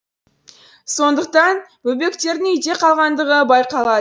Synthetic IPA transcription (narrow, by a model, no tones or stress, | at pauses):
so̞nd̪əq̚t̪ɑnbɵbe̞kt̪e̞ɾd̪ɪŋʏjt̪e̞qʰɑlˠʁɑnd̪əʁəbɑjqɑlˠɑ